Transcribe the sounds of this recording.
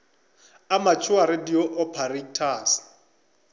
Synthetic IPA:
amat͡ʃʰʊaɾɪdiɔʔɔpʰarektʰaːsɪ̥

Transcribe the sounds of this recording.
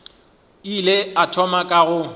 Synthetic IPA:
ileatʰɔmakʼaɣʊ

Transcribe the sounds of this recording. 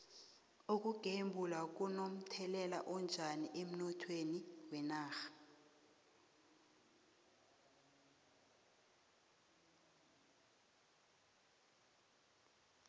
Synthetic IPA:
uk̬ʼuɡ̥ʱembʱulak̬unom̩tʰɛlɛla̰ʔɔnd͡ʒʱaniʔem̩nɔtʰweniwɛnaːxḁ

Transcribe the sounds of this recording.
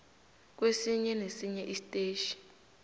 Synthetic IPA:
k̬wesiɲɛnesiɲɛʔistʼeːʃi̥

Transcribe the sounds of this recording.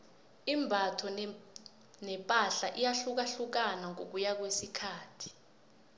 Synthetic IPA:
imbʱatʰɔ | nɛpʼaɬaʔijaɬuk̬aɬuk̬anaŋok̬ujak̬wesikʰaːtʰi̥

